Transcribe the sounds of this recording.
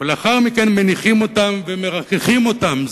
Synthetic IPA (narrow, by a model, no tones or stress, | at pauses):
eleaχaʁmike̞nme̞niχimo̞tamveme̞ʁakeχimo̞tam